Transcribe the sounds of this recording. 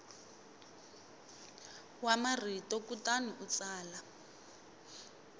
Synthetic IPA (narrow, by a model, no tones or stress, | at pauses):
wamaritɔkutanuʔut͡saːla